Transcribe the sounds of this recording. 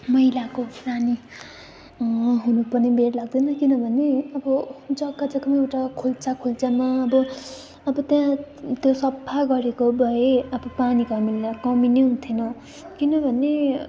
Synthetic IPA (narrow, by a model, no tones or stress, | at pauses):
mʌjlakopʰrani | ɦunupʌrnibeɾlaɡ̚d̪ʌnʌkinʌbʱʌneʌbʌd͡zʌɡad͡zʌkʌmʌewʈakʰolt͡sakʰult͡samaʌbʌ | ʌbʌt̪jãt̪josʌbʰʱaɡʌɾekobʱʌeʌbʌpanikʌmiakʌmineɦunt̪ʰinʌ | kinʌbʱʌne